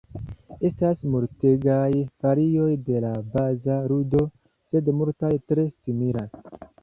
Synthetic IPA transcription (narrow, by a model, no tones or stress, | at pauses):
e̞stasmuɾteɡajfaɾijo̞jde̞labazaɾudo̞ | se̞dmultajtɾe̞simiɾa